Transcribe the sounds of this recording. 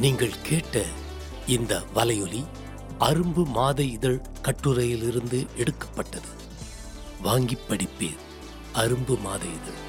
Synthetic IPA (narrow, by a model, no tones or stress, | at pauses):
niːŋɡɐɭkʰeːʈːɐ | ɪnd̪ɐʋɐlɐjɔli | ɐɾɯmbɯmaːðɐɪɪðɐɭ | kɐʈːɯɾɐjɪlɪɾɯnd̪ɯʔɛɽɯkːɐ̥pːɐʈːɐðɯ | ʋaːŋɡɪpːɐɽɪpːḛː | ʔɐɾɯmbɯmaːðɐjɪðɐɭ